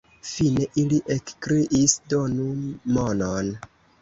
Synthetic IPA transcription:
fine̞ʔiliʔekkɾiʔisdonumonon

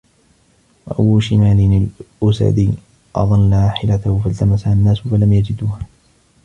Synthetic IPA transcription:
wa̰ʔawʊʃɪmaːlɪnalʔʊsa̰d̪iː | ʔɑ̰ðˤɑnːaaħɪlat̪ahʊfalt̪amasaanːaːsʊfalamjad͡ʒɪd̪uːha

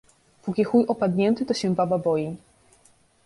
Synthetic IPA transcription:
pɔkʲixujʔɔpad̪ɲɛnt̪ɘt̪ɔɕɛ̃bababɔji

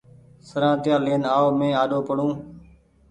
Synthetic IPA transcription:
səɾãːt̪ɪjãːleːnaːoːmẽːaːɗoːpəɽũː

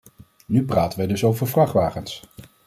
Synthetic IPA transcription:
nypraːtənʋɛjdɵsowvəɹvrɑχʋaːχəns

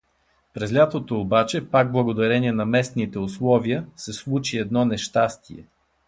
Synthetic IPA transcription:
pɾɛzlʲat̪ot̪oːbat͡ʃɛpaɡ̚blˠəɡod̪ɐɾɛniɛnɐmɛsnit̪ɛʊslˠɔviəsɛslˠut͡ʃiɛd̪nɔnɛʃt̪ast̪iɛ̰

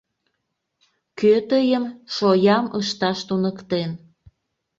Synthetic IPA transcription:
køt̪əjəmʃojɑməʃt̪ɑʃt̪unəkt̪en

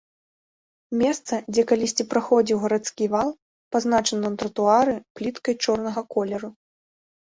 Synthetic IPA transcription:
mʲɛst̪sɐd͡zʲɛkalʲisʲt͡sʲipɾaxɔd͡zʲiwɣɐɾat̪skʲivalˠ | paznat͡ʂɐnɐnt̪ɾɐt̪uaɾɨplʲit̪kɐjt͡ʂɔrn̪ɐɣɐkɔlʲɛɾu

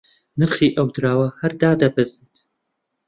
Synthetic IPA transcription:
nɨɾχiːʔɐwd̪ɾaːwɐhɐɾd̪aːd̪ɐbɐzit̪

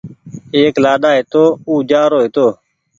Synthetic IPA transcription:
eːklaːɗ̪aːɦet̪oːuːd͡ʒaːɾoːɦet̪oː

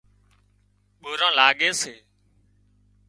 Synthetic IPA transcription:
ɓoːɾãːlaːɠeːseː

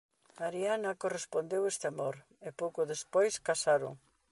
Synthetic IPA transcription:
maɾianɐkorespond̪ewest̪ɪamoɾ | epowkoðespojskasaɾo̰ŋ

